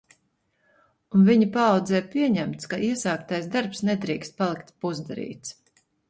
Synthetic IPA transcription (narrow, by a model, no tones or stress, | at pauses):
unviɲipaɑwd̪zɛːpiɛɲæmt̪skaʔiɛsaːkt̪ajsd̪aɾpsnɛd̪ɾiːkst̪̚palˠikt̪puzd̪aɾḭːt̪s